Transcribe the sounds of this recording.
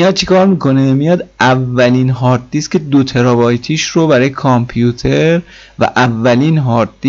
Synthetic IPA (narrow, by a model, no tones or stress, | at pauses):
ijɒːd̪̚t͡ʃʰe̥kʰɒːɾmiːkʰo̞nemijɒːd̪ævːæliːnɦɒːɾd̪iːskcʰe̞d̪ot̪ʰe̞ɾɒbɒːjt̪ʰiːʃɾobæɾɒːjekʰɒmpʰjut̪ʰeɾ | væ̰ʔævːæliːnɦɒːɾd̪i